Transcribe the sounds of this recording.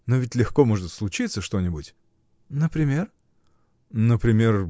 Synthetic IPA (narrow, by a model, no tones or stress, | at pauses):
novʲɪtʲlʲɪxkomoʐɨt̪slˠʊt͡ɕit̪səʂt̪o̞nʲɪbʊtʲ | nəpɾʲɪmʲe̞r | nəpɾʲɪmʲe̞r